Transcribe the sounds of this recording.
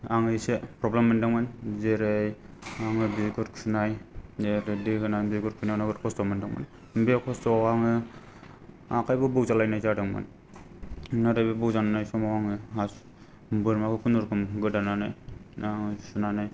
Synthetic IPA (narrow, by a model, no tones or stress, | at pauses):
aŋɯisepʰɾɔblemːandaŋmanzeɾejaŋɯbikɯtkʰɯnajeɾedikʰɯnajbiɡɯɾkʰɯnajnaɡɯtkʰɔstɔmandaŋma̰n | bekʰɔstɔaŋɯ | akʰajbɯbɯwzalajnajzadɯŋma̰n | naɾabebɯwzananajsɔmɔaŋɯas | bɯɾmakʰɯkʰunɯɾkʰɯmɡɯdananajaŋsɯnanaj